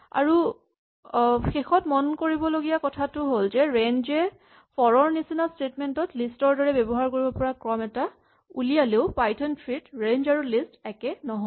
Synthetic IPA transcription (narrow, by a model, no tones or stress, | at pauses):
a̰ɹu | xexɔtmɔnkoɹibɔloɡijakɔtʰatʊɦolzɛɹenzɛ | pɔɹɔɹnisinastetmɛntɔtlistɔɹdɔɹɛbɛbɔɦaɹkoɹibɔpɔɹakɹɔmɛta | ulijaleʊpajtʰɔntʰɹitɹend͡ʒaɹulistɛkɛnɔɦɔ